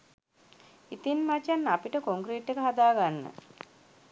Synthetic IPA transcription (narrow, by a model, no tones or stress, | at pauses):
it̪inmat͡ʃanːapiʈəkoŋkɾiːʈːekəɦad̪aːɡanːə̰